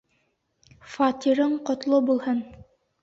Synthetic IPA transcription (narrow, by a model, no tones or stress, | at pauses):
fɑt̪ʲiɾɤɴqŏt̪lˠɤbulˠhɤn